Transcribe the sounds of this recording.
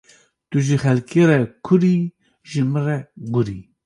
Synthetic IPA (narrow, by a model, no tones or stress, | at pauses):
t̪uʒixɛlkʰeɾɛkʰʊɾi | ʒɨmɨɾɛɡuɾḭ